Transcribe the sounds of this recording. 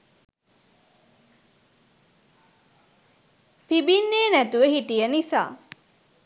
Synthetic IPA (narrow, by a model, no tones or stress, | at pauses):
pibinːeːnæt̪uʋehiʈijɐnisa̰ː